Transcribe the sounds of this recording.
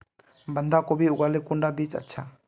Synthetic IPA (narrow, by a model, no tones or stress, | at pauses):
band̪akobiukalekuɳɖabit͡ʃa̰t͡ʃʰa